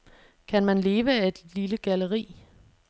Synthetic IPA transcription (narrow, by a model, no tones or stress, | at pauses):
kʰænmænle̝ːʋəæe̝d̥liləɡ̥æləʁḭː